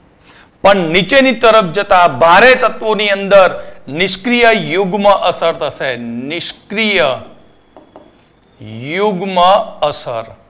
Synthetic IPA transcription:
pəɳnit͡ʃenit̪əɾəpfʰd͡ʒət̪abʱaɾet̪ət̪ʋoniənd̪əɾnɪʃkɾijəjuɡmãʔəsəɾt̪ʰəʃenɪʃkɾijə | juɡmə̃əsəɾ

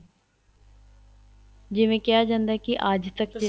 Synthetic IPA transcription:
d͡ʒɪmẽkjaːd͡ʒãːnd̪akiʔaːd͡ʒt̪ɐkd͡ʒɪ

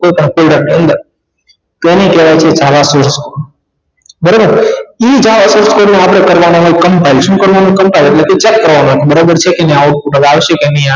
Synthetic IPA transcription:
ojpəɳkolɖəɾniə̃nd̪əɾ | t̪enekeʋajt͡ʃʰed͡ʒaʋasoɾskol | bəɾobəɾid͡ʒaʋasoɾskolneap̬ɽ̃ekəɾʋanaɦojkəmpajlʃũkəɾʋanũkəmpajleʈleket͡ʃɛkːəɾʋamãk̪ʰebəɾobəɾt͡ʃʰekeniaoʈ̚puʈaʋeaʋəʃekenia

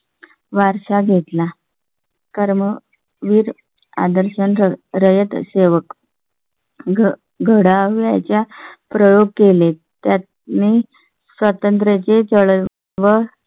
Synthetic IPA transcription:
ʋaɾʂaɡʱet̪la | kəɾmə | ʋiːɾ | a̰d̪əɾɕənɾɾəjət̪seʋək | ɡʱəɽaʋja̰t͡ɕjapɾəjoɡ̚kelet̪jat̪ | ne | sʋət̪ənt̪ɾet͡ɕet͡səɭ | ʋə

